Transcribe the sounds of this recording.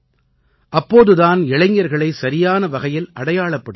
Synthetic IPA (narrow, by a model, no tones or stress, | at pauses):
ʔɐpːoːðɯðaːnɪɭɐɪŋːɐɾɣɐɭɐɪsɐɾɪjaːnɐʋɐɣɐjɪlʔɐɽɐjaːɭɐpːɐɽɯ